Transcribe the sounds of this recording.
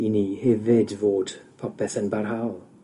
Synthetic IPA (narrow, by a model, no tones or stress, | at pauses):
inihɛvɪdvoːd̥pʰɔpʰɛθənbarɦawlˠ